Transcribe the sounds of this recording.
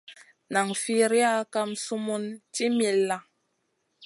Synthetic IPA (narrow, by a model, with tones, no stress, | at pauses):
na˨ŋfi˦ɾi˦a˦ka˦msu˦mu˦nti˦mi˨lːa˦